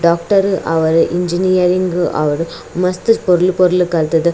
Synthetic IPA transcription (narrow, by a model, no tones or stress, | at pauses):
ɖaːkʈɐɾɯʔɐʋɐɾɯʔɪɲd͡ʒɪnɪjɐɾɪŋɡɯʔɐ̰ʋɐɾɯ | mɐst̪ɯpɔɾɯlpɔɾɯlɯkɐɾt̪ɐðɯ